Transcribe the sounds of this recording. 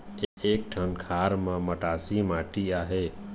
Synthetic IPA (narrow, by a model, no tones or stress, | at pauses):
ek̚ʈʰənkʰaːɾmãməʈaːsimaːʈiaːɦe